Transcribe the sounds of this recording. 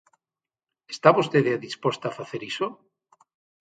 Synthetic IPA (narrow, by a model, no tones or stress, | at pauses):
est̪aβost̪eðeaðispost̪afaθeɾiso